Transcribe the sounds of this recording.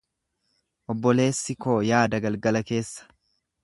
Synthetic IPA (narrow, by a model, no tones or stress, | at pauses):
ʔɔbːɔle̞ːsːɪko̞ːjaːd̪ɐɡɐlɡɐlɐke̞ːsːɐ̥